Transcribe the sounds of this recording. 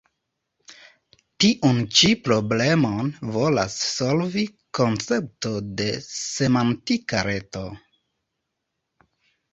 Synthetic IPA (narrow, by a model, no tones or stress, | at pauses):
tiʔunt͡ʃipɾo̞ble̞monvo̞lasso̞lviko̞nt͡se̞p̚to̞de̞se̞mantikaɾe̞to̞